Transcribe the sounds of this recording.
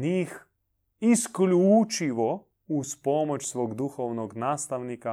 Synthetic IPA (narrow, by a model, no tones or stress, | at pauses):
nix | isklʲuːt͡ʃiʋɔ | uspɔmɔt͡ʃsʋoːɡd̪uxɔwnɔɡnaːst̪awnika